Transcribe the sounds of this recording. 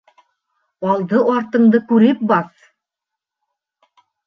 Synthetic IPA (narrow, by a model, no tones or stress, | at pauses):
ɑlˠd̪ɤʔɑɾt̪ɤ̆ɴd̪ɤkʉɾɘp̚bɑθ